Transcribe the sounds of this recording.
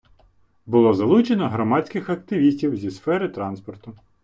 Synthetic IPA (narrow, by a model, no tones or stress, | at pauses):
bʊlˠɔzɐlˠut͡ʃenɔɦɾɔmɑt͡sʲkɪxɐk̚t̪ɪʋʲisʲtʲiwzʲisfɛɾɪt̪ɾɑnspɔrt̪ʊ